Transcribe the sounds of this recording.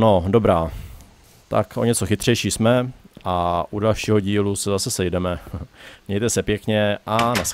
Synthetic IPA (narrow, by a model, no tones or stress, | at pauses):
no̞do̞bɾaː | t̪a̰kʔo̞̰ɲɛt͡soxɪt̪r̝̥ɛjʃiːsmɛʔaʔudalʃiːɦoɟiːlusɛzasɛsɛjdɛmɛmɲɛjt̪ɛsɛpjɛkɲɛʔanas